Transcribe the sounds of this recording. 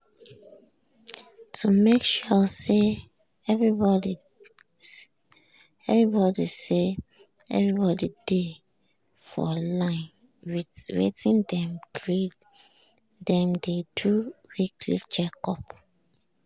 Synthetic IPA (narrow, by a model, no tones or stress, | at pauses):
tʰumekʃuse | ɛvɹibɔdi | ɛvɹibɔdise | ɛ̰vɹibɔdide | fɔ̰lãɪ̃n | wiwḛtĩndɛ̃mɡɹid | dɛ̃mdeduwikʰlit͡ʃɛkɔp